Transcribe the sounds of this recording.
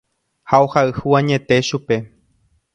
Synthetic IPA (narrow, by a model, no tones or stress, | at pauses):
haohaɨhuwãɲẽ̞t̪e̞ʃupe̞